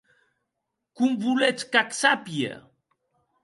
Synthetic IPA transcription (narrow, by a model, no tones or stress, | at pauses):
kumvulet͡skaksapjḛ